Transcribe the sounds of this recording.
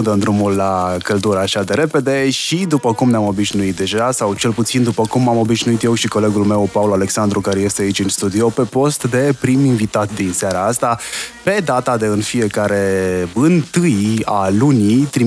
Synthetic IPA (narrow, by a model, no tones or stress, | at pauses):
ud̪ənd̪ɾumulːakəld̪uɾəːʃad̪e̞ɾe̞pe̞d̪e̞ʃid̪upəkumneamo̞biʒnuit̪̚d̪e̞ʒasawt͡ʃe̞lput̪sind̪upəkumːamo̞biʒnuit̪jewʃiko̞le̞ɡulme̞wpaulale̞ksand̪ɾukaɾeje̞st̪e̞ait͡ʃʲɨnst̪ud̪io̞pe̞po̞st̪d̪e̞pɾiminvit̪at̪̚d̪inseaɾaast̪ape̞d̪at̪ad̪e̞ɨnfije̞kaɾe̞ɨnt̪ɨjalunit̪ɾi